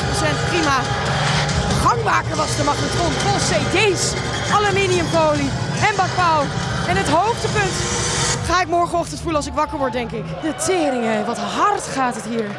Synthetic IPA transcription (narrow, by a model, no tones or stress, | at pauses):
sɛnprimaː | χɑŋmaːkəɹʋɑzdəmɑχətrɔnfɔlˠsejdejs | ʔaləminiəmpowliɛnbɑkawɛnɦətɦowfdəpɵntχaːɪkmɔɹχənɔχtəntfuləɑlˠsɪkʋɑkəɹʋɔɹ̚dɛŋkɪkdətɪːɾɪŋeʋɑtɦɑrtχaːtɦətɦiːɹ